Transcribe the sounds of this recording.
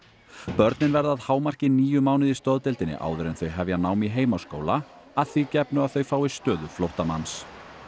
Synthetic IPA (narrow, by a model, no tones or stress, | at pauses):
pœɾt̪nɪnvɛɾðaðhaːwmar̥cɪniːjʏmaːwnɪðist̪ɔðt̪ɪlt̪ɪnːɪ̰ʔa̰ːwðʏɾɪnθœɥɦɛvjanaːwmiɦeːjmasko̰ːwla | aðθicɛpnʏaðθœɥfaːwist̪œːðʏflowht̪ama̰ns